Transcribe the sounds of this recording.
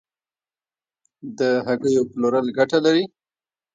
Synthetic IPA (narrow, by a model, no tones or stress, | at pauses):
d̪əɦaɡəjoploɾəlɡaʈalaɾi